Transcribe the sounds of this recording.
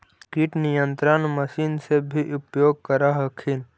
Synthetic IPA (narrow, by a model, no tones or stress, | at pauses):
kiʈnijə̃nt̪ɾənməʃiːnsebʱiʔʊpjoːɡ̚kəɾaɦəkʰin